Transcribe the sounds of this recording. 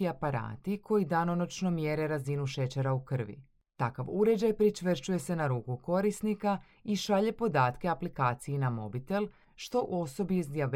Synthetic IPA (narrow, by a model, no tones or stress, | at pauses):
iapaɾa̰ːt̪ikʰo̞jid̪ano̞not͡ʃno̞mje̞ɾe̞ɾazinuʃe̞t͡ɕe̞ɾaukr̩ʋḭ | t̪akaʋuɾe̞d͡ʑajpɾit͡ʃʋr̩t͡ʃuje̞se̞naɾuːkuko̞ɾisnika | iʃaʎe̞po̞d̪aːt̪keaplikaːt̪sijinamo̞̰bit̪e̞l | ʃt̪o̞ʔo̞so̞biizd̪jaʋ